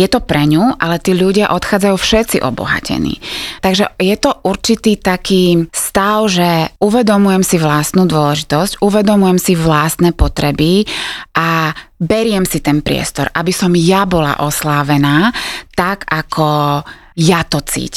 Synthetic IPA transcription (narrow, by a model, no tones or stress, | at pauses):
jɛt̪ɔpɾɛɲuʔalɛt̪iːʎuɟɪaʔɔt̪xaːd͡zajufʃɛt̪t͡sḭʔɔ̰bɔ̰ɦa̰cɛ̰nḭːt̪aɡʒɛ̰jɛt̪ɔʔuɾt͡ʃit̪iːt̪akiːst̪aʊʒɛuʋɛd̪ɔmujɛmsiʋlast̪nuːd̪ʊɔlɛʒit̪ɔscʔuʋɛd̪ɔmujɛmsiʋlast̪nɛːpɔt̪ɾɛbiʔabɛɾɪɛmsit̪ɛnpɾɪɛ̰st̪ɔɾʔabisɔmjabɔla̰ʔɔslaːʋɛnaːt̪aɡakʰɔ | jat̪ɔt͡sḭːc